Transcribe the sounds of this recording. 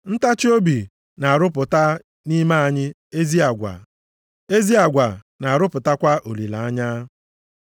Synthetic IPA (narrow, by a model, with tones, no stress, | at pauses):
n̩˦ta˦t͡ʃo˦bi˨ | na˨a˨ɾʊ˦pʊ˨ta˦ | ni˦ma˦a˨ɲɪ˦ | e˦zi˦a˨ɡʷa̰˨ | e˦zi˦a˨ɡʷa˨ | na˨a˨ɾʊ˦pʊ˨ta˦kʷa˦ʔo˨li˨la˨a˦ɲa˦